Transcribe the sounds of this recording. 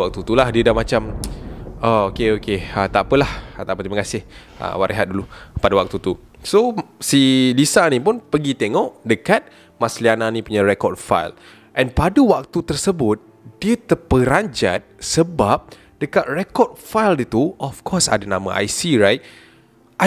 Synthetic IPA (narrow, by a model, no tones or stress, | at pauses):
ak̚t̪ut̪ulahdiədahmat͡ʃam | aokeokeət̪apəlaht̪apət̪iməkasɪh | ə̰waɾʔeɦat̪̚dulupadawak̚t̪ut̪u | sosilisanĩpʊnpəɡit̪eŋɔʔdəkat̪̚ | masliananĩpuɲaɾekɔd̚fa̰jl | ʔɛ̃npadəwak̚t̪ut̪ərsəbʊt̪̚ | d̥iət̪əpəɾaɲd͡ʒa̰t̪̚səbap̚ | d̥əkat̪̚rekɔd̚fajldət̪uɔfkʰɔsa̰danama̰ʔa̰jsiɾajt̪̚ | a